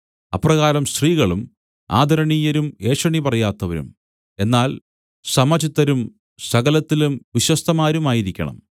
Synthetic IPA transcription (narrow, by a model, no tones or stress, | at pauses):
ɐprɐɣaːɾɐmst̪riːɣɐɭum | a̰ːd̪ʱɐɾɐɳiːjɐɾume̞ːɕwɐɳipɐrɐjaːt̪ːɐʋɐɾṵm | e̞nːaːl | sɐmɐt͡ɕit̪ːɐɾum | sɐɣɐlɐt̪ːilumʋiɕwɐst̪ʰɐmaːɾumaːjiɾikʲːɐ̰ɳɐ̰m